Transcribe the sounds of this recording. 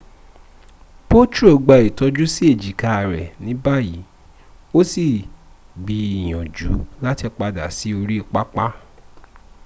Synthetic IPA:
po˦t͡ʃu˦o˨ɡ͡ba˧˨i˨tɔ˧d͡ʒu˦si˦e˦˨d͡ʒi˨ka˧a˨ɾɛ˨nĩ˨˦ba˦˨ji˨˦ | o˦si˦˨ | bi˧i˨j̃ɔ̃˨d͡ʒu˨˦la˦ti˧k͡pa˧da̰˨si˨˦o˧ɾi˦˧˨k͡pa˦k͡pa˦

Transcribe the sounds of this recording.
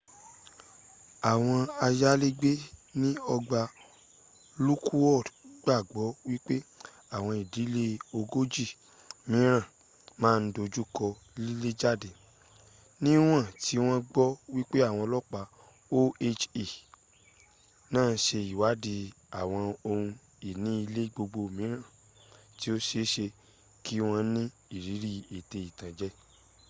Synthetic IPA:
a˨w̃ɔ̃˧a˧ja˦le˦ɡ͡be˦nĩ˦ɔ˧ɡ͡ba˧ | lu˦kʰu˦wɔ˦˨dɡ͡ba˦˨ɡ͡bɔ˨˦wi˦k͡pe˦ | a˦˨w̃ɔ̃˧i˨di˨˦le˦o˧ɡo˦d͡ʒi˦˨ | mĩ˨˦ɾ̃ã˦˨ | mãː˦˧n̩˦do˧d͡ʒu˦kɔ˧ | li˦le˦d͡ʒa˦˨de˨ | nĩ˦w̃ã˦˨ti˨˦w̃ɔ̃˦ɡ͡bɔ˦wi˦k͡pe˦a˦˨w̃ɔ̃˧lɔ˦k͡pa˧˦ | o˦e˦t͡ʃe˨ | nãː˦˨n̩˧˦ʃe˧i˨wa˨˦di˧ | a˨w̃ɔ̃˧o˧hũ˧ | i˨nĩ˦i˧le˦ɡ͡bo˧ɡ͡bo˧˨mĩ˨˦ɾ̃ã˦˨ | ti˦o˦ʃe˧˦ʃe˧ | ki˦w̃ɔ̃˧˦nĩ˦ | i˦˨ɾi˨˦ɾi˦e˨te˧i˨tã˨d͡ʒɛ˦

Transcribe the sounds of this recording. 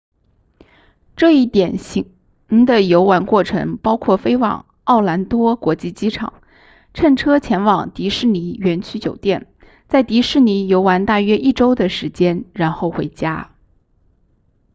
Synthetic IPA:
ʈ͡ʂɤ˥˧i˥˩t̪jɛ˨˩nɕi˧˥ | i˧˥ŋd̪ə˧˨jo˧˥ʊwa˧˥nkwɔ˥˩ʈ͡ʂʰɤ̰˧˥ŋpɑ˥ʊkʰwɔ˥˩fe˥ɪwɑ̰˨˩ŋ | ɑ˥˩ʊla˧˥nt̪wɔ˥kwɔ˧˥t͡ɕi˥˩t͡ɕi˥ʈ͡ʂʰɑ̰˨˩ŋ | ʈ͡ʂʰə˥˩nʈ͡ʂʰɤ˥t͡ɕʰjɛ˧˥nwɑ˨˩ŋt̪i˧˥ʂɻ̩˥˩ni˧˥ɥɛ˧˥nt͡ɕʰy˥t͡ɕjo˨˩ʊt̪jɛ˥˩n | t͡sa˥˩ɪt̪i˧˥ʂɻ̩˥˩ni˧˥jo˧˥ʊwa˧˥nt̪a˥˩ɥɛ˥ʔi˥˩ʈ͡ʂo˥ʊd̪ə˨ʂɻ̩˧˥t͡ɕjɛ˥nɻa˧˥nxo˥˩ʊxwe˧˥ɪt͡ɕja˥

